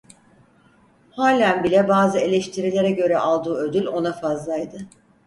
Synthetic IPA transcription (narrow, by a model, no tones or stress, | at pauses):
haːlʲænbilʲɛbaːzɯe̞lʲɛʃt̪ʰiɾilʲe̞ɾɛɟø̞ɾɛʔalˠd̪uːø̞d̪ylʲo̞nafazlˠajd̪ɯ